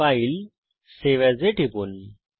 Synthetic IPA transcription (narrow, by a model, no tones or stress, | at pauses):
ail | seʋɛd͡zeʈʰipun